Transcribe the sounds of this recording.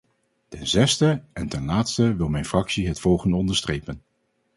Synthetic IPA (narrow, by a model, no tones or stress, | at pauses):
tɛnzɛstəʔɛntɛnlaːtstəʋɪlˠmɛjnfrɑksiɦətfɔlˠχəndəɔndəɹstrejpən